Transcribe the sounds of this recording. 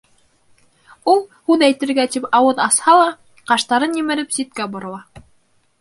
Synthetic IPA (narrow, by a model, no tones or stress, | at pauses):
ulˠhʉðæjt̪ɘ̆ɾɡæt̪ipɑwɤðɑshɑlˠɑ | qɑʃt̪ɑɾɤnjɘ̆mɘ̆ɾɘpsʲit̪̚kæbŏɾɤ̆lˠɑ